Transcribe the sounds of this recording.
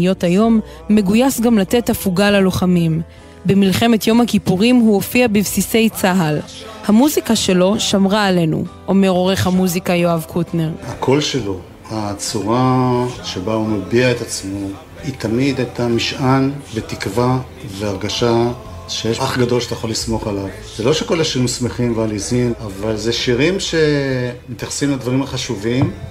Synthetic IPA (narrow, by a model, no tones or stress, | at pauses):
jo̞tajo̞mː | e̞ɡujasɡamlat̪e̞tafuɡalalo̞χamim | bemilχe̞me̞t̪jo̞mhakipuʁimɦuofiabivsise̞jt͡saɦal | hamuzikaʃe̞lo̞ʃamʁaːle̞nṵʔome̞ʁo̞ʁe̞χhamuzikajoavkʰutne̞ʁhakʰo̞lʃe̞lo̞ | hat͡suʁaʃe̞baumabiaet̪at͡smo̞ | it̪amid̪at̪amiʃʔanvet̪ikva | veaʁɡaʃa | ʃejeʃaχɡad̪o̞lʃe̥t̪ajaχolismo̞χalav | z̥elo̞ʃeko̞laʃiʁimsme̞χimvealizinavalzeʃiʁimʃe̞met̪jaχsimlad̪vaʁimaχaʃuvim